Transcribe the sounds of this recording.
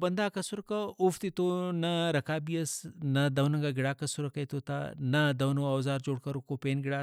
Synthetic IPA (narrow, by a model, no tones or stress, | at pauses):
bɐnd̪aːkɐsuɾɐkɐʊft̪it̪onɐɾɐkaːbiɐsnɐd̪ɐwnɐŋɡaɡɪɽaːkɐsuɾɐkɐjt̪oːt̪a̰nɐd̪ɐwnoɐːwzaːɾd͡ʒoːɽkɐɾukopeːnɡɪɽaː